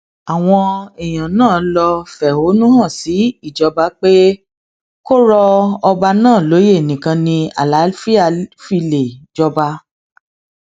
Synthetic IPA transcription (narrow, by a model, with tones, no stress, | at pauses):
a˨w̃ɔ̃˧ɛ˨j̃ã˨nãː˦˨˦lɔ˧fɛ˨ho˨˦nũ˦hã˦˨si˨˦i˦˨d͡ʒɔ˧ba˧˦k͡pe˦ | ko˦ɾɔ˧ɔ˧ba˧nãː˦˨lo˨˦je˦˨nĩ˨kã˧nĩ˧a̰˨la˨˦fi˦a˧˨fi˧le˨d͡ʒɔ˧ba˧˦